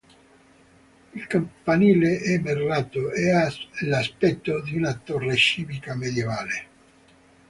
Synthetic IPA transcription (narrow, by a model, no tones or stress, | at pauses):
ilkampaniːleʔɛmːerːaːt̪oɛalaspɛt̪ːod̪iunat̪ɔrːet͡ʃiːvikamed̪jevaːle